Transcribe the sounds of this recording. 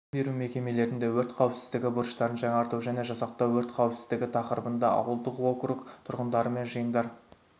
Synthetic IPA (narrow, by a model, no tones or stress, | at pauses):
be̞ɾume̞kʲe̞me̞le̞ɾɪnd̪e̞wɵɾt̪qʰɑwəpsɪ̥zd̪ɪɡʲɪbʊɾʃt̪ɑɾənʒɑɴɑɾt̪əwʒæne̞ʒɑsɑq̚t̪ɑwɵɾt̪qʰɑwəpsɪzd̪ɪɡʲɪt̪ʰɑqəɾəbənd̪ɑɑ̰wəlˠd̪əqwo̞krukt̪ʰʊɾʁənd̪ɑɾəme̞nʒəjənd̪ɑɾ